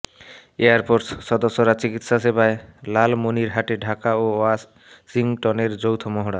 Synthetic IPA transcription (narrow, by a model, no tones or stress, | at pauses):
eaɾpoɾsʃɔd̪osːoɾat͡ɕikit̪ʃaʃebaelalmoniɾɦaʈeɖʱakaoas | siŋʈɔneɾd͡ʑowt̪ʰomoɦoɽaɾ